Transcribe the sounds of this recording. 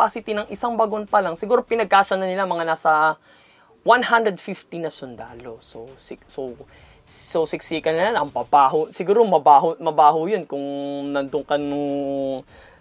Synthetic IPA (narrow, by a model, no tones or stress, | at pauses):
pasɪt̪ɪnɐŋʔɪsaŋbɐɡonpɐlɐŋsɪɡuːɾo̞pɪnɐɡ̚kaːʃɐnɐnɪlamɐŋanaːsɐ | wanhand̪ɾɛd̪fift̪inɐsʊnd̪a̰ːlososɪso | sowsɪksikɐlnɐjanɐŋpɐbaːɦosɪɡuːɾomɐbaːɦomɐbaːɦʊjonkʊŋnɐnd̪ʊŋkɐnʊŋ